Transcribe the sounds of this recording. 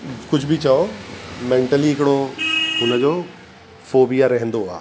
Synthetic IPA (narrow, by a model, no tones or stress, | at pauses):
kʊd͡ʑʱbʱit͡ɕaomẽːɳʈəliɦɪkɪɽoʊnəd͡ʑoː | foːbijaɾɐɦə̃nd̪oa̰ː